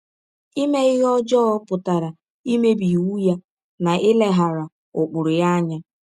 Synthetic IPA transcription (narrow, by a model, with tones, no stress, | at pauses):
i˦me˦ɪ˦ɦɔ˦d͡ʒɔ˦ɔ˦pʊ˨ta˨ɾa˨ | i˦me˦bi˨wu˦ja˦ | na˨ʔɪ˦le˦ɦa˨ɾa˨ | ʊ˨k͡pʊ˨ɾʊ˨ja˦ɲa˦